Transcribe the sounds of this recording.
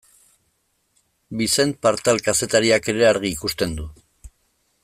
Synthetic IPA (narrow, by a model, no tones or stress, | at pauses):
bise̞npaɾt̪alkase̞t̪aɾiake̞ɾe̞aɾɣ̞iːkust̪e̞nd̪u